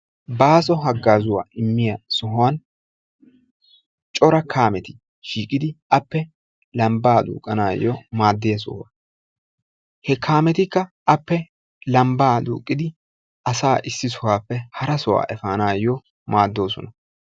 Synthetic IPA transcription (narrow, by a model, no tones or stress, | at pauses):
baːsɔɦɐɡːaːzʊwa̰ːʔɪmːɪjɐsʊɦʊaːn | t͡ʃʼɔɾɐkʰaːmɛt̪ɪ̥ | ʃiːkʼːɪd̪ɪʔɐpːɛ | lɐmbaːd̪ṵːkʼːɐnaːjɔ̰maːd̪ːɪjɐs̬ʊ̰hwa | hɛkʰaːmɛt̪ɪkːɐʔɐpːɛ | lɐmbaːd̪ṵːkʼːɪd̪ɪ | ʔɐsaːʔɪsːɪsʊhaːpːɛhɐɾɐsɔwa̰ːʔɛfaːnaːjɔ | maːd̪ːo̞ːsɔnɐ